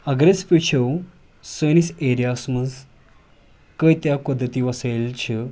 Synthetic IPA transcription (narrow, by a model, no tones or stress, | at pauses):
əɡɾespit͡ɕʰəw | səniseɾijasməd͡z | kəjt̪japəd̪ʱːət̪iːʋəselt͡ɕʰi